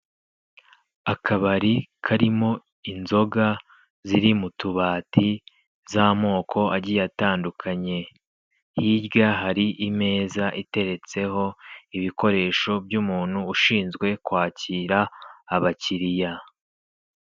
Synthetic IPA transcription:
akʰaβaɾikʰaɾimo̞ | inzo̞ɡa | ziɾimutuβaːtʰi | zamo̞ːkʰo̞aɟijataːndukʰaɲe̞ | hibɡaɦaɾiʔime̞ːzaʔite̞ɾe̞t͡se̞ho̞iβiko̞ɾe̞ːʃo̞bjuːmuːn̥huːʃiːnzɡwe̞kwaːciːɾaːβaciɾija

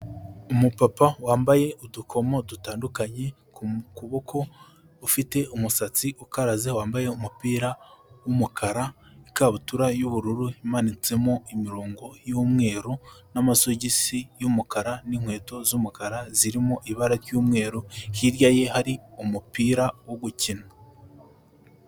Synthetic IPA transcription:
umupapawaːmbaje̞udukʰo̞mo̞dutaːndukaɲe̞ | kkuβo̞kʰo̞ː | fite̞ʔumusat͡siukaɾazewaːmbaje̞umupiːɾawumukʰaɾaikaβutuɾajuβuɾuɾuhimanit͡se̞mo̞imiɾoːŋɡo̞jumŋe̞ːɾonamasoɟisijumukaɾaniŋhwe̞ːto̞zumukaɾaziɾimoʔiβaɾaɾjuːmŋe̞ːɾohiɾjaje̞haɾiumupiːɾawoɡucina

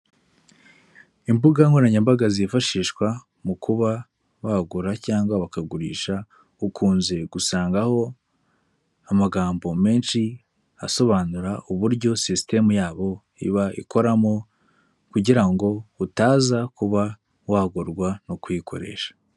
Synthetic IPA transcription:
imbuɡaŋɡonaɲambaɡazifaʃiːʃkwa | mukʰuβa | βaɡuɾacaːŋɡwaβakaɡuɾḭːʃa | ukʰuːnze̞ɡ̥usaːŋɡaho̞ | amaɡaːmbo̞me̞ːnʃi | a̰so̞βaːnuɾaʔuβuɾɟo̞siste̞mujaːβo̞ | ḭβaʔḭkʰo̞ɾamo̞ | kuɟiɾaŋɡo̞utaːzakuβa | waɡuɾɡwanokwikʰo̞̰ɾe̞̰ːʃḁ

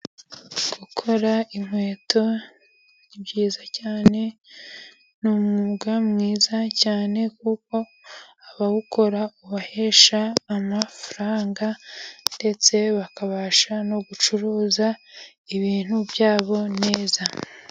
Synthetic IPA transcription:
ɡ̥ukʰo̞ɾaimwe̞ːtʰo̞ | ibɟiːzacaːne̞ | numuɡamŋiːzacaːne̞kuko̞ | aβaɡuko̞ɾauβahe̞ʃaːmafaɾaːŋɡande̞t͡se̞βakaβaʃano̞ɡut͡ʃuɾuːza | iβiːn̥hubjaːβo̞ne̞ːza

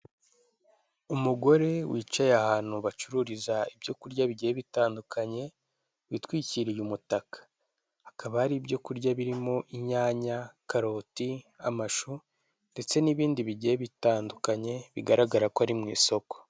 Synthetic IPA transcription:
umuɡo̞ɾe̞wiːt͡ʃajahaːn̥huβat͡ʃuɾuːɾizaibjo̞kuɾɟaβiɟieβitaːndukʰaɲe̞ | witwiːciɾijumutakḁ | hakʰaβahaɾibjo̞kuɾɟaβiɾimo̞ʔiɲaːɲakaɾo̞ːtiamaʃu | nde̞t͡se̞niβiːndiβiɟieβitaːndukaɲe̞βiɡaɾaɡaɾakoaɾimŋḭːso̞ko̥

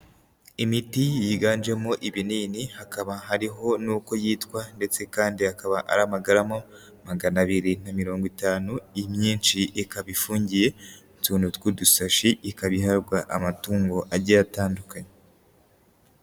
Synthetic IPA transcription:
imitijiɡaːnd͡ʒe̞moʔiβiniːnihakaβaɦaɾiɦo̞nuːko̞jiːtkwande̞t͡se̞kaːndiakaβaʔa̰ɾamaɡaɾamo | maɡanaβiɾinamiɾo̞ːŋɡwitaːnuimɲiːnʃiʔikaβifuːɲɟije̞ | tuːnutwudusaʃiʔːkaβiɦaɾɡwaʔamatuːŋɡo̞ʔaɾɟajataːndukaɲe

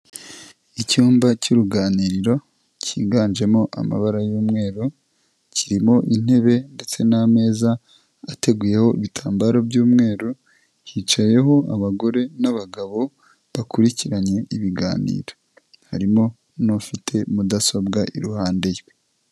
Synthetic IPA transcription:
icuːmbacuɾuɡaːniːɾiɾo̞ | cḭːɡaːnʒe̞mo̞ʔa̰ma̰βaɾajuːmŋe̞ːɾo | ciɾimo̞ʔin̥e̞βe̞nde̞t͡se̞name̞ːzaː | te̞ɡuːje̞ho̞iβitʰaːmbaɾobjuːmŋe̞ːɾo | ciːt͡ʃaje̞ɦo̞aβaɡo̞ɾe̞naβaɡaβo̞ | βakuɾiciɾaɲe̞iβiɡa̰ːnḭːɾo | haɾimo̞ | nofitʰe̞mudaso̞bɡaʔḭɾuhaːnde̞je

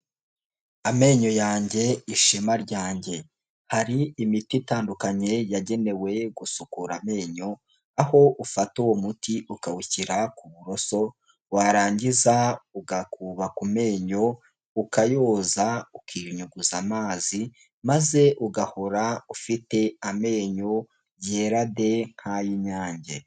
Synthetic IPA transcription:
ame̞ːɲo̞jaːɲɟe̞iʃemaɾɟaːɲɟe̞ | haɾiːmititaːndukaɲe̞jaɟe̞ne̞we̞ɡusukuɾame̞ːɲo̞ | aho̞ʔufatuwomutiʔukawuciɾakuβuɾo̞so̞ | waɾaːɲɟizauɡakuβakume̞ːɲo̞ | ukajo̞ːzaukʰiːɾɲuɡuzamaːzi | maze̞ʔuɡaho̞ɾaufite̞ame̞ːɲo̞ | je̞ːɾade̞ŋ̥hajiɲaːɲɟḛ

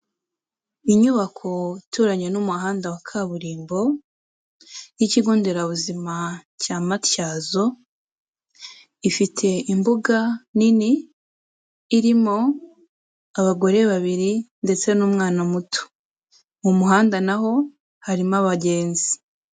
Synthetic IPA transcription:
iɲuβakʰo̞tʰuɾaɲe̞nuːmuhaːndawakʰaβuɾiːmbo̞ | jiciɡuːndeɾaβuzimacamatjaːzo̞ | ifitʰe̞imbuɡanini | ɾimo̞ | aβaɡo̞ɾe̞βaβiɾinde̞t͡se̞nuːmŋaːnamutʰo̥ | umuɦaːndanaɦo̞ | haɾimaβaɟe̞ːnzi̥

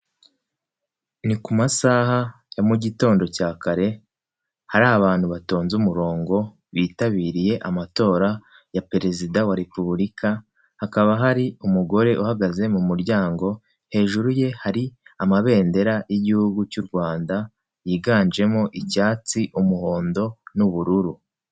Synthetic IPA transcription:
nikumasaɦa | jamuɟito̞ːndo̞caːkaɾe̞ | haɾaːβaːn̥huβato̞ːnzumuɾo̞ːŋɡo̞ | βiːtaβiːɾije̞ʔamato̞ːɾa | jape̞ɾe̞zidawaɾe̞puβulikʰa | hakaβaɦaɾiumuɡo̞ɾe̞ʔuhaɡaze̞mumuɾɟaːŋɡo̞ | he̞ːʒuɾuje̞haɾiamaβe̞ːnde̞ɾajiɟihuɡucuɾɡwaːnda | jiːɡaːɲd͡ʒe̞moʔicaːt͡siʔumuho̞ːndo̞nuβuɾuɾu

